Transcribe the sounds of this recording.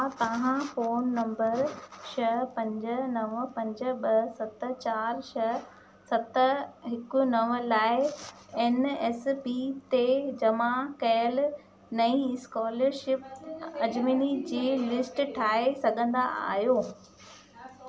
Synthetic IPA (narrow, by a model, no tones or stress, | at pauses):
t̪ɐʋãfoːnːɐ̃mbəɾʃɐpɐ̃ɲd͡ʑʊ̆nɐʋpɐ̃ɲd͡ʑʊ̆ɓɐsɐt̪ə̆t͡ɕaːɾʃɐ | sɐt̪əɦɪkunɐʋlaːɪ | eːneːspit̪ed͡ʑɐmãkɐjəl | nɐĩskɔːləɾʃɪpɐd͡ʑminid͡ʑiːlɪsʈʈʰaːesɐɡʱə̃nd̪a̰a̰ːɦijoː